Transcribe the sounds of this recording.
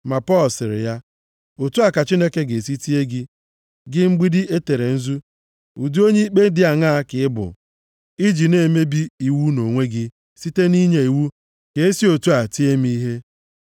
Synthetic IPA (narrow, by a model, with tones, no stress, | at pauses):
ma˨pɔ˦lsɪ˨ɾɪ̰˨ja˦ | o˨tu˦a˨ka˨t͡ʃi˦ne˦ke˦ɡe˨si˦ti˦e˦ɡɪ˦ | ɡɪ˦ŋ͡m̩˦ɡ͡bi˦dɪ˦e˦te˨ɾe˨n̩˦zu˦ | u˨du˦o˦ɲe˦i˦k͡pe˦n̩˦dɪ˦a˨ŋa˦kɪ˨˦ɪ˦bʊ̰˨ | i˦d͡ʒi˨ne˨me˦bi˦i˨wu˦no˨ŋʷe˦ɡɪ˦ | si˦te˦ni˦ɲe˨i˨wu˦ | ke˨e˦si˦o˨tu˦a˨ti˦e˦m˦i˦ɦe˦